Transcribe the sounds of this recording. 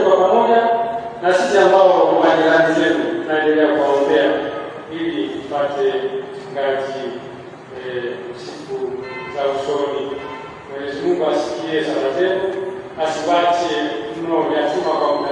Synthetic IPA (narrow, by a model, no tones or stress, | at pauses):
kapamɔɲanasisiambaɔkaŋaɲiaŋanizɛnunaɛndɛlɛjakuwaɔmbɛa | ilitipatɛ | ŋɡazi | sikuzausɔni | mwɛɲɛzimiŋɡuasi̥kiɛsalazɛnɔbasiβatɛm̩nɔuliatimakamu